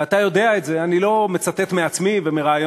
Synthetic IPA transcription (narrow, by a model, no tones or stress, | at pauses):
at̪ajo̞d̪e̞aet̪zeanilo̞me̞t͡sat̪et̪meat͡smivemeʁaːjo